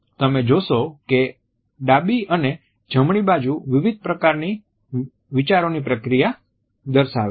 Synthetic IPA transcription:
t̪əmed͡ʒoʃoke | ɖabiəne | d͡ʒəmɳibad͡ʒuʋɪʋid̪̚ʱpɾəkaɾni | ʋit͡ʃaɾonipɾəkɾija | d̪əɾʃaʋe

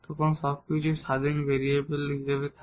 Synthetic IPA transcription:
t̪ɔkʰonʃɔb̚kit͡ɕʰuʃad̪ʱinbeɾiebelɦiʃebet̪ʰ

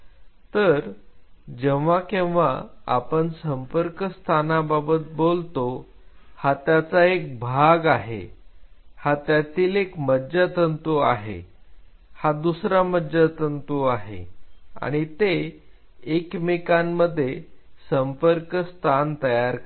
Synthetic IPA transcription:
t̪əɾd͡ʑeʋakẽwʋa̰a̰pəɳsəmpəɾkəst̪ʰanababət̪̚bolt̪o | hat̪jat͡saek̚bʱaɡaɦḛ | hat̪jat̪iːlekmədd͡ʑat̪ənt̪uaɦḛ | had̪usɾaməd͡ʑat̪ənt̪uaɦḛa̰ɽ̃it̪eː | kmikanːəd̪ʱːjesəmpəɾkst̪ʰant̪əjaɾk

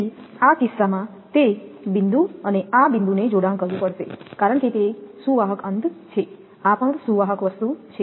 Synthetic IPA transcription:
akɪsːamã | t̪ebɪnd̪uəneabɪnd̪uned͡ʒoɽãŋkəɾʋũpəɽʃekaɾəɳket̪esuʋaɦəkənd̪t͡ʃʰe | apəɳsuʋaɦəkʋəst̪ut͡ʃʰe

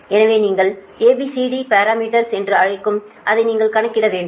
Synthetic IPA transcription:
ɛnɐʋeːniːŋɡɐɭ | eːbisiɽipaːɾaːmiːʈɐɾsɛndrɯɐɻɪkːɯm | ʔɐðɐɪniːŋɡɐɭkɐɳɐkːɪɽɐʋeːɳɖɯm

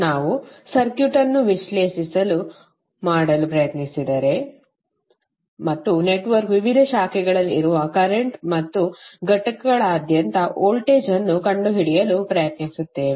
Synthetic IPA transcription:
naːʋusɐɾkjuʈɐnːuʋiʃle̞ːʃisɐlu | maːɽɐlupɾɐjɐt̪nisid̪ɐɾe̞ | mɐt̪ːune̞ʈʋɐɾkʋiʋid̪ʱɐʃaːkʰɛɡɐɭɐlːiɾuʋɐkɐɾeɳʈmɐt̪ːuɡɐʈɐkɐɡɐɭaːd̪jɐnt̪ɐʔoːlʈeːd͡ʒɐnːukɐɳɖuɦiɽijɐlupɾɐjɐt̪nisut̪ːe̞ːʋi

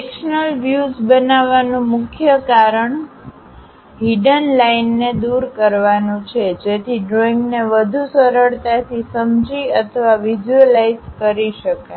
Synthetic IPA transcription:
ekʃnəlʋjuzbənaʋanũmʊkʰjəkaɾəɳ | ɦiɖənlainːed̪uɾkəɾʋanũt͡ʃʰed͡ʒet̪ʰiɖɾoiŋɡneʋəd̪ʱusəɾəɭt̪at̪ʰisəmd͡ʒiət̪ʰəʋaʋid͡ʒuəlaizkəɾiʃəka

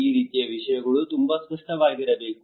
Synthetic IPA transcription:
iːɾit̪ijaʋiɕəjaɡɐɭuːt̪umbʱaspəʂʈaʋaɭɡeɾabek

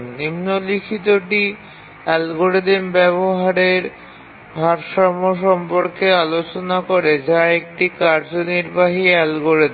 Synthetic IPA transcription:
nimnolikʰit̪oʈi | ɛlɡoɾed̪imbɛβoɦaɾeɾ | bʱaɾʃamoʃ̬ɔmpoɾkealot͡ɕonakoɾed͡ʑaek̚ʈikaɾd͡ʑoniɾbaɦiɛlɡoɾed̪

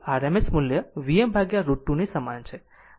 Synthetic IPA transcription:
aɾemesmʊljəʋiembʱaɡjaɾuʈːunisəmant͡ʃʰe

